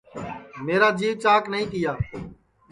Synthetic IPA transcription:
meːɾaːd͡ʒiːʋt͡ʃaːknəɦĩːk̪ɪjaː

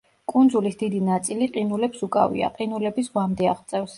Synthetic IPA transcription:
kʼund̪zulisd̪id̪inat̪sʼiliqʼinulɛpsukʼa̰vḭa̰qʼinulɛbisʁwamd̪ɛaʁt̪sʼɛfs

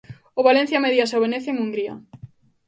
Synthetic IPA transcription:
oβalen̟θjameðjasoβeneθeeŋuŋɡɾia̰

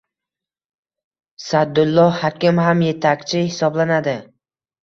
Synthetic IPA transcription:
sad̪ʊlˠːɒhakʲɪmhamje̞t̪ʰakʲt͡ʃʰɪhɪsɒblanad̪ɪ

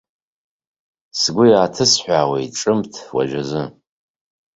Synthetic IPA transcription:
sɡʷʊjaːtʰɨsħʷᶣaːwejʈ͡ʂʼɨmtʰwa̰ʒazɨ

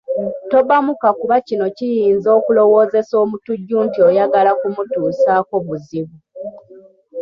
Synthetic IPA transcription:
to̞bamukakuβacino̞cijiːnzo̞ːkulo̞wo̞ːze̞so̞ːmutuɟːuntio̞jaɡalakumutuːsaːko̞βuziβu

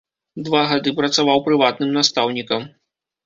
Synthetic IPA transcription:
d̪vaɣad̪ɨpɾɐt̪savawpɾɨvat̪̚nɨmnast̪awnʲikɐm

